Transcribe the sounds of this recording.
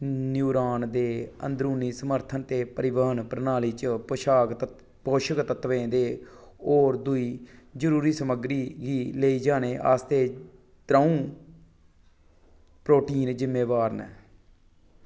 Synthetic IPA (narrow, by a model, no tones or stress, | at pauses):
njuːɾaːnd̪eːə̰nd̪ɾuːniːsəməɾt̪ʰənt̪eːpəɾɪʋəɦənpɾnaːliːt͡ʃpəʃaːɡ̪ | poːʃəkt̪ət̪ʋẽːd̪eːoːɾd̪ʊiːd͡ʒəɾuːɾiːsəməɡɾiːɡiːleːiːd͡ʒaːneːʔa̰ːst̪eː | t̪ɾaːũː | pɾoːʈiːnd͡ʒɪmːeːʋaːɾnəː